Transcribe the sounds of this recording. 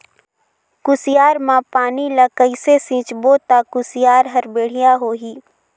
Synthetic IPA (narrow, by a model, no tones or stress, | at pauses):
kʊsɪjaːɾmãpaːnilakəisesĩːt͡ʃboːt̪akʊsɪjaːɾɦɐɾbeːɽ̤ɪjaɦoːɦiː